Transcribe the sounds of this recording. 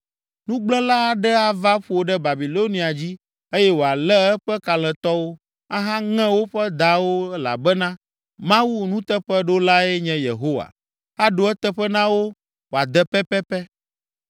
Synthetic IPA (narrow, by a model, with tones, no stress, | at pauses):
nũ˦ɡ͡blɛ̃˦la˦a˨ɖɛ˦a˦va˦ɸu˦˨o˨ɖɛ˦ba˨bi˨lo˦nĩ˨a˨d͡ʑi˦ | e˦jɛ˦wo˨a˨lɛ˦ɛ˦ɸɛ˦ka˨l̃ɛ̃˨t̪ɔ˦wo˦ | a˦ɦã˦ŋɛ̃˦wo˦ɸɛ˦d̪a˨wo˦la̰˨bɛ˦nã˦ | mã˦wu˦nũ˦t̪ɛ˦ɸɛ˦ɖo˦la˦ɛ˦ɲɛ̃˦jḛ˨ɦo˦wa̰˨ | a˦ɖo˨ɛ˦t̪ɛ˦ɸɛ˦nã˦wo˦ | wo˨a˨d̪ɛ˦pɛ˦pɛ˦pɛ˦